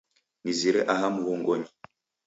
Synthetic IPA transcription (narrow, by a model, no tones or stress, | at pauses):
niziɾeʔaɦamuwuːŋɡoɲi